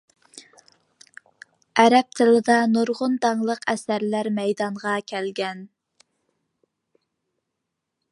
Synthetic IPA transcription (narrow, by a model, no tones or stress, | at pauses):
ɛɾɛp̚t̪ʰɪlɪd̪ɑnuɾʁʊnd̪ɑŋlˠəqʰɛsæɾlæɾmɛjd̪ɑɴʁɑkʲʰælɡʲɛn